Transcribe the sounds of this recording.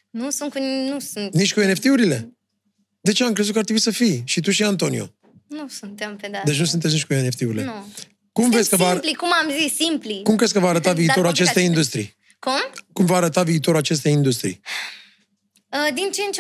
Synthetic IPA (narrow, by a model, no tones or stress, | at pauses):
nusunt̪̚kunnusunnit͡ʃkuene̞ft̪euɾile̞ | d̪e̞t͡ʃe̞amkɾe̞zut̪kat̪ɾebuisəfijʃit̪̬uʃ̬iant̪o̞nio̞̰ | nusunt̪emped̪ad̪e̞t͡ʃnus̬unt̪ets̬nit͡ʃʲkueneft̪euɾile | kumvɾeskəvaplikumamzisːimplikumkɾeskəvaːɾət̪aviːt̪o̞ɾuat͡ʃe̞st̪ejindust̪ɾḭj | kumkumvaːɾət̪aviːt̪o̞ɾulat͡ʃe̞s̬t̪ejind̪us̬t̪ɾḭj | əd̪int͡ʃent͡ʃe